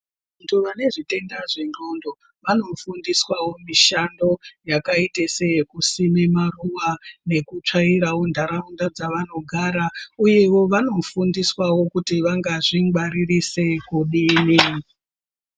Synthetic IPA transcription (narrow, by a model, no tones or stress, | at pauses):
antʰuʋane̞ʐite̞ndaʐe̞no̞ndo̞ | ʋano̞fundiswawo̞miʃando̞jakaitesejekusime̞maruwane̞kut͡ʂaiɾawondʱaɾaundad͡zaʋano̞ɡʱaːɾauje̞wo̞ʋano̞fundiswawo̞kutiʋaŋɡaʐiŋɡaɾirise̞kuɗiːni